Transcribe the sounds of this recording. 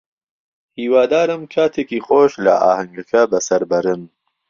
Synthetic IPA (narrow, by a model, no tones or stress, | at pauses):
hiːwaːd̪aːɾɨmkʰaːt̪ʰeːkiːχoːʃlɐ̰ʔa̰ːhɐŋɡɐkʰɐbɐsɐɾbɐɾɨm